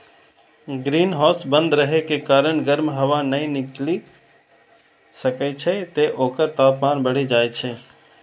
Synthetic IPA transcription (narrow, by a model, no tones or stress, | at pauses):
ɡɾiːnɦɔːsbə̃nd̪ɾəɦekekaːɾəɳɡəɾmɦɐʋanɐĩnɪkli | səket͡ʃʰet̪eʔoːkət̪aːpmaːnbəɽ̤id͡ʒaːet͡ʃʰe